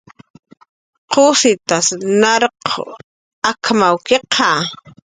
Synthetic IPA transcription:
qosɪt̪asnaɾqʰo̰ | akʰmawkeqʰɑ

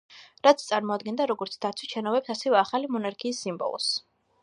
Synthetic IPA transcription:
ɾat̪sʰt̪sʼaɾmɔad̪̚ɡɛnd̪aɾɔɡɔɾt̪sʰd̪at̪sʰwiʃʰɛnɔbɛpsasɛvɛaχalimɔnaɾkʰiːsːimbɔ̰lˠɔ̰s

